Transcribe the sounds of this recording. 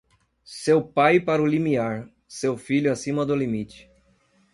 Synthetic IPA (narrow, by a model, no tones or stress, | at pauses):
sewpajpaɾʊlimiaɾ | sewfiʎʊasĩmɐd̪ʊlimit͡ʃɪ̥